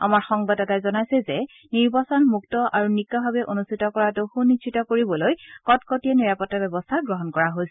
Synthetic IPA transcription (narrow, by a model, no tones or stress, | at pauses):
a̰maɹxɔŋbadɛtajzɔnajsɛzɛ | niɹbasɔnmuktɔʔaɹunikːabʱabɛʔonustʰitɔkɔɹadoxunit͡ʃʰitɔkoɹibɔlojkɔtkɔtiɛniɹapɔtːabɛbɔstʰaɡɹɔɦɔnkɔɹaɦojsɛ